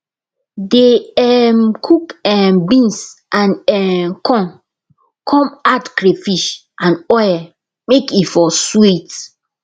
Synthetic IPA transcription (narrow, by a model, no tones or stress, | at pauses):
deɛmkʰukɛmbĩnsʔãnɛmkʰɔ̃n | kʰɔ̃matkɾefiʃ | ʔãnɔjɛ | mekifɔswit